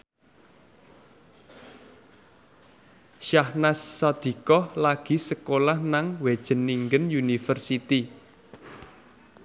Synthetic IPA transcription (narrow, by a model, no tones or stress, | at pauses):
ʃahnasːad̪̥i̤kɔhlaɡ̥i̤səkolahnaŋwed̥ʒ̥ə̤nːiŋɡənjunifərsit̪i